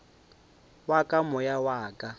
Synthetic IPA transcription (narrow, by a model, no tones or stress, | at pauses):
wakʼamʊjawaːkʼa